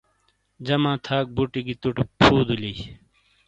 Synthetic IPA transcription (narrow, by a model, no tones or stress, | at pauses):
d͡ʑɐmãːt̪ʰaːk̚buʈiɡit̪uʈipʰuːd̪uli